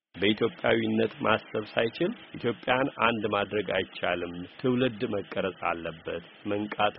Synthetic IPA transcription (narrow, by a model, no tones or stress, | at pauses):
bəʔit̪ʰjo̞pʼːjawinːət̪mʔast̪əβsajt͡ʃɪlʔit̪ʰjo̞pʼːjanʔa̰nd̪mad̪ɾəɡa̰jt͡ʃːalɨmt̪ʰɨwlɨd̪məkʼːəɾəsʼa̰lːəbːət̪ | məŋkʼat̪ʰ